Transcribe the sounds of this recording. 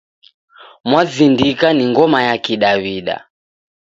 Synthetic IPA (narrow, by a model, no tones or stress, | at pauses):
mwazindikaniŋɡɔmajakiɗaβiɗa̰